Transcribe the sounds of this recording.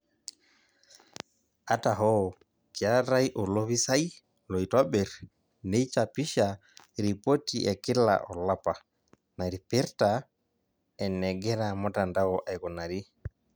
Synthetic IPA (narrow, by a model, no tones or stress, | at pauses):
ataɦɔ | kiaɾajʔɔloβisaj | lɔjtɔɓɛɾ | nɛjt͡ʃapiʃa | ɾipotiɛkila̰ʔɔlapa | naɾipɛɾta | ɛnɛɡɛɾamɔtandawɔʔajkɔnaɾi